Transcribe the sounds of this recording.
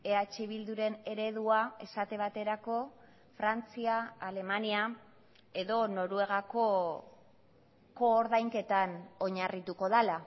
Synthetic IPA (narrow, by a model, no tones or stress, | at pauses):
e̞at͡ʃeβ̞ild̪uɾe̞ne̞ɾe̞ðuae̞sat̪e̞β̞at̪e̞ɾako̞ | fɾant͡siaːle̞mania | e̞ðo̞no̞ɾue̞ɣ̞ako̞ | ko̞ːɾðajŋke̞t̪ano̞ɲarit̪uko̞ðala